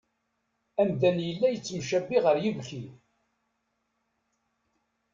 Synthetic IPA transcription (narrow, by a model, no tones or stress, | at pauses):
æmd̪ænjəlːæjət͡sːəmʃæbːiʁəɾjəvkiθ